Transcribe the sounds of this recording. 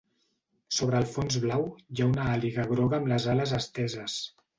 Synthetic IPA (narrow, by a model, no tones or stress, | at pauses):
soβ̞ɾəːlˠfonzβlawjaunəaliɣəɣɾɔɣəːmləzaləzəst̪ɛzəs